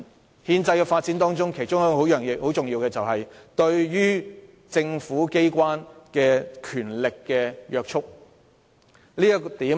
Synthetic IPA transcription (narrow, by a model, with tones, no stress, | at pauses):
hiː˧nt͡sɐ˧jkɛː˧faː˧t̚t͡si˨˥nt̪ɔː˥ŋt͡sʊ˥ŋkʰe˨˩jt͡sʊ˥ŋjɐ˥˧o˨˥wjœː˨˩ŋɪ˨ho˨˥wt͡sʊ˨ŋjiː˧wkɛː˧t͡sɐ˨whɐ˨jt̪ɵ˧ɥɥyː˥ | t͡sɪ˧ŋfuː˨˥ke˥jkwaː˥nkɛː˧kʰyː˨˩nlɪ˨kːɛː˧jœː˧k̚t͡ʃʰʊ˥k̚ | liː˥t̪iː˨˥